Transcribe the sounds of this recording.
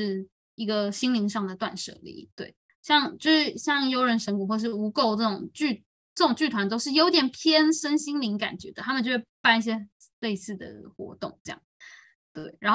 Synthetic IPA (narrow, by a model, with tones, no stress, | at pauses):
ʂɻ̩˥˩ | i˧˥ɡə˧ɕi˥ŋli˧˥ŋʂɑ˥˩ŋd̪ə˩t̪wa̰˥˧nʂɤ̰˥˩lḭ˧˥˩t̪we˥˩ɪ | ɕjɑ˥˧ŋt͡ɕjo˥˧ʊʂɻ̩˥˩ɕjɑ˥˧ŋjo˥ʊɻə˧˥nʂə˧˥ŋku˨˩xwɔ˥˧ʂ̬ɻ̩˥˩u˧˥ko˥˧ʊʈ͡ʂɤ˥˩ʊ˨˩ŋt͡ɕy˥˩ | ʈ͡ʂɤ˥˩ʈ͡ʂʊ˨˩ŋt͡ɕy˥˩t̪ʰwa˧˥nt̪o˥ʊʂɻ̩˥˩jo˧ʊt̪jɛ˨˩npʰjɛ˥nʂə˥nɕi˥ŋli˧˥ŋka̰˨˩nt͡ɕɥɛ̰˧˥d̪ə˧t̪ʰa˥mə˨nt͡ɕo˥˧wpa˥˧ni˥˩ɕ̬jɛ˥ | le˥˧ɪsɹ̩˥˩d̪ə̰˩xwɔ̰˧˥t̪ʊ̰˥˩ŋʈ͡ʂɤ˥˧jɑ̰˥˩ŋ | t̪wḛ˥˩ɪɻa˧˥nx